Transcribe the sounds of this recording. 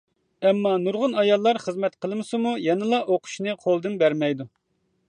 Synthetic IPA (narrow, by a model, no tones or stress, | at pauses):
ɛmːɑnuɾʁʊnɑjɑlˠːɑɾχəzmɛt̪qʰəlˠmɨsɨmujɛnɨlˠɑʔoqʰʊ̥ʃnɨqʰolˠd̪ɨnbæɾmɛjd̪u